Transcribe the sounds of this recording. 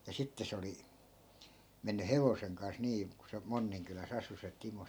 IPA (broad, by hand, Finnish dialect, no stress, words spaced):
jɑ sitːe se oli menːy heʋoseŋ kɑns niː ku se monːiŋkylæs ɑsu se timo